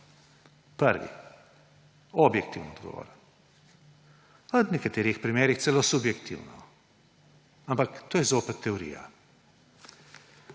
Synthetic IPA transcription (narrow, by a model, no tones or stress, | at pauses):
pəɾʋḭ | ɔbjɛk̚t̪iwnɔd̪ɡɔ̰ʋɔ̰ɾ | ɔd̪nɛkat̪eːɾixpɾimeːɾixt̪sɛlosubjɛkt̪ḭwnɔ̰ | ampakt̪oːjɛzoːpɛt̪ʰːɛɔɾḭːja̰